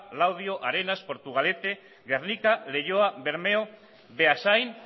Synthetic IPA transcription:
lawð̞io̞ʔaɾe̞naspo̞ɾt̪uɣ̞ale̞t̪e̞ | ɣe̞rnikale̞ʝoaβe̞ɾmeo | βeasajn

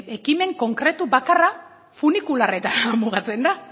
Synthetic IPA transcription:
e̞kime̞ŋko̞ŋkɾe̞t̪uβakara | funikulare̞t̪anamuɣat͡se̞nd̪a

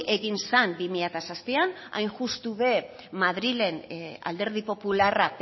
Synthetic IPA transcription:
ʔe̞ɣinsanbimiʎat̪asaspian | a̰jnʝust̪uβe | maðɾile̞na̰ld̪e̞ɾð̞ipo̞pularap

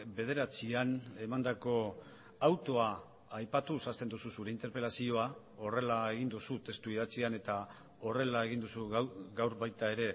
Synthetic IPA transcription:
be̞ð̞e̞ɾat͡siane̞mand̪ako̞ | awt̪o̞aː | jpat̪usast̪e̞nd̪ususuɾe̞int̪e̞ɾpe̞lasio̞a | o̞re̞lae̞ɣ̞ind̪usut̪e̞st̪uið̞at͡siane̞t̪a | o̞re̞lae̞ɣ̞ind̪usuɡawɾβajt̪ae̞ɾe̞

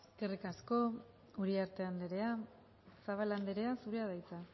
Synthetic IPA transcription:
eske̞rikasko̞ | uɾiaɾt̪e̞and̪eɾe̞a | saβaland̪eɾe̞asuɾeað̞ajt͡sa

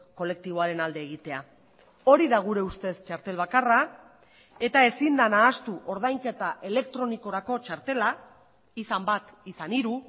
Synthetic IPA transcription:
ko̞le̞k̚t̪iβ̞o̞aɾe̞nald̪e̞ːɣ̞it̪e̞a | o̞ɾiðaɣ̞uɾe̞ust̪e̞st͡ʃaɾt̪e̞lβakara | e̞t̪ae̞sind̪anaːst̪uʔo̞ɾð̞ajŋke̞t̪aʔe̞le̞kt̪ɾo̞niko̞ɾako̞t͡ʃaɾt̪e̞la | isambat̪isaniɾu

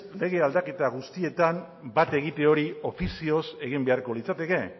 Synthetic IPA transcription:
le̞ɣe̞ald̪ake̞t̪aɣ̞ust̪ie̞t̪am | bat̪e̞ɣ̞it̪e̞o̞ɾio̞fisio̞se̞ɣ̞imbeaɾko̞lit͡sat̪e̞ke̞

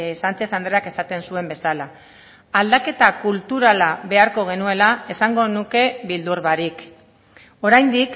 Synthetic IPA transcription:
sant͡seθand̪ɾeake̞sat̪e̞nsue̞mbe̞sala | ald̪ake̞t̪akult̪uɾalaβe̞aɾko̞ɣ̞e̞nue̞lae̞saŋɡo̞nuke̞βild̪uɾβaɾik | o̞ɾajnd̪ik

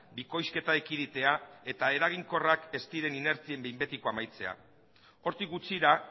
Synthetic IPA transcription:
biko̞jske̞t̪aekiɾit̪e̞ae̞t̪ae̞ɾaɣ̞iŋko̞rake̞st̪iɾe̞nine̞ɾt͡sie̞mbejmbe̞t̪iko̞amajt͡se̞a̰ | o̞ɾt̪ikɡut͡siɾa

